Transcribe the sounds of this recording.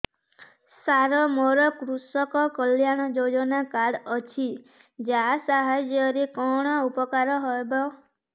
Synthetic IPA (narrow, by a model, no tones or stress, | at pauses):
saɾɔmoɾɔkɾusɔkɔkɔljaɽ̃ɔd͡ʒod͡ʒɔnakaɽɔt͡ʃʰi | d͡ʒasaɦad͡ʒjɔɾikɔɽ̃ɔupɔkaɾɔɦɔebɔ